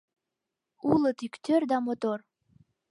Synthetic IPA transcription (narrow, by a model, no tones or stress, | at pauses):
ulət̪ikt̪ørd̪ɑmot̪or